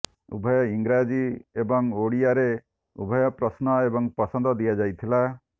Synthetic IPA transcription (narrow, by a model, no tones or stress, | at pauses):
ṵbʱɔjɔiŋɡɾad͡ʒiebɔŋoɽijaɾe | ṵbʱɔjɔpɾɔsnɔebɔŋpɔsɔnd̪ɔd̪ijad͡ʒajt̪ʰila